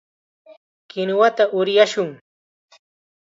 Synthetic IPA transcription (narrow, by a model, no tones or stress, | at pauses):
kɪnwat̪aʔʊɾjaʃʊŋ